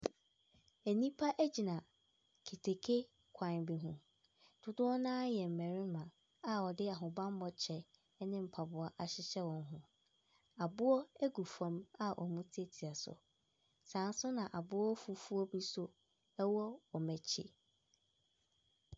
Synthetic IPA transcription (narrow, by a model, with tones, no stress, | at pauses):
æ˨nĩ˦pʰa˦ʔæ˦d͡ʑi˨nã˨ | kʰe˨tʰe˨kʰe˦ | kʰã˨bɪ˨ɦũ˦ | d̥ʊ˦dʊ˦ɔ˦nãː˦jɛ˨m̩˨mɛ˨ɾɪ̃˦mã˨ | a˨ɔ˨dɪ˦a˨ɦʊ̃˨bã˦m˦bɔ˦t͡ɕʰɛ˦ | nɪ̃˦m̩˨pʰa˨bʊ˨a˨ʔa˨ɕɪ˦ɕɛ˦wɔ̃˨n˦ɦʊ̃˦ | a˨bʊ˦ɔ˦æ˦ɡu˨fã˨ma˦ʔɔ̰˨mũ˦tʰe˦tʰi˨a˨sʊ̰˨ | sã˨n̩˦sʊ˦nã˨ʔa˨bʊ˦ɔ˦fu˦fu˦ɔ˦bi˦sʊ˦ | ɛ˦wɔ˦ɔ˨mæ˨t͡ɕʰɪ̰˦